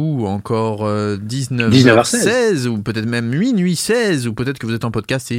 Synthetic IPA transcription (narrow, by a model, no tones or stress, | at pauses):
uɑ̃kʰɔʁød̪iznœvd̪iznəaʁsɛɛzupøt̪ɛt̪mɛmɥinɥisɛzupøt̪ɛt̪χəkəvuzɛt̪ɑ̃pɔd̪kʲast̪e